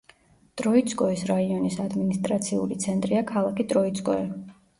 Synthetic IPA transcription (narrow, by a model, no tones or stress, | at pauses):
t̪ʼɾɔit̪sʰʼkʼɔisɾaiɔnisad̪minist̪ʼɾat̪sʰiṵlit̪sʰɛnt̪ʼɾiakʰalˠakʰit̪ʼɾɔit̪sʼkʼɔɛ